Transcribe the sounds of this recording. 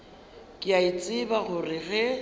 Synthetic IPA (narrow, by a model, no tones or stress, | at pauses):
kʼɪaɪt͡sʼɪbaɣʊrɪɣɛ